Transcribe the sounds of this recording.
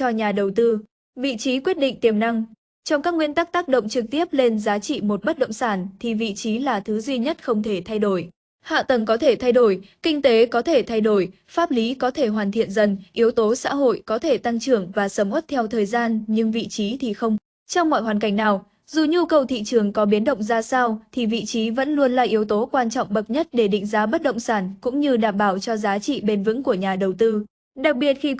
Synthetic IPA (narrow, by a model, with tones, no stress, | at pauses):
t͡ɕɔ˧ɲaː˨˩ɗə˨˩wt̪ɨ˧ | vḭ˧˨t͡ɕi˨˦kwi˦˥ət̚ɗḭ̈˧˨ŋ̟t̪i˨˩əmna˧ŋ | t͡ɕɔ˧wŋ͡mkaː˦˥k̚ŋwi˧ənt̪aː˦˥k̚t̪aː˦˥k̚ɗə̰˧˨wŋ͡mt͡ɕɨ˨˩k̚t̪i˦˥əp̚le˧nzaː˨˦t͡ɕḭ˧˨mo˨˩t̚ɓə˦˥t̚ɗə̰˧˨wŋ͡msaː˧˩nt̪ʰi˨˩vḭ˧˨t͡ɕi˨˦laː˨˩t̪ʰɨ˨˦zwi˧ɲə˦˥t̚xə˧wŋ͡mt̪ʰe˧˩t̪ʰa˧jɗo˧˩j | ha̰ː˧˨t̪ə˨˩ŋkɔ˨˦t̪ʰe˧˩t̪ʰa˧jɗo˧˩jkï˧ŋ̟t̪e˨˦kɔ˨˦t̪ʰe˧˩t̪ʰa˧jɗo˧˩j | faː˦˥p̚li˨˦kɔ˨˦t̪ʰe˧˩ɦwaː˨˩nt̪ʰḭ˧˨ənzə˧˩nʔi˨˦əwt̪o˨˦sa̰ː˧˥ɦo̰˧˨jkɔ˨˦t̪ʰe˧˩t̪a˧ŋt͡ɕɨ˧˩əŋvaː˨˩səː˧˩mʔə˦˥t̚t̪ʰɛ˧wt̪ʰəː˨˩jzaː˧nɲɨ˧ŋvḭ˧˨t͡ɕi˨˦t̪ʰi˨˩xə˧wŋ͡m | t͡ɕɔ˧wŋ͡mŋwa̰ː˧˨jɦwaː˨˩nka˧˩jŋ̟naː˨˩w | zu˨˩ɲu˧kə˨˩wt̪ʰḭ˧˨t͡ɕɨ˨˩əŋkɔ˨˦ɓi˨˦ənɗə̰˧˨ŋ͡mzaː˧saː˧wt̪ʰi˨˩vḭ˧˨t͡ɕi˨˦və̰˧˥nlu˧ənla̰ː˨˩ʔi˨˦əwt̪o˨˦kwaː˧nt͡ɕɔ̰˧˨wŋ͡mɓə˨˩t̚ɲə˦˥t̚ɗe˧˩ɗḭ˧˥ŋ̟zaː˨˦ɓə˦˥t̚ɗə̰˧˨wŋ͡msaː˧˩nkʊ̰˧˥ŋ͡mɲɨ˧ɗaː˨˩mɓaː˧˩wt͡ɕɔ˧zaː˨˦t͡ɕḭ˧˨ɓe˧nvɨ̰˧˥ŋku˧˩əɲaː˨˩ɗə˨˩wt̪ɨ˧ | ɗa˨˩k̚ɓi˨˩ət̚xi˧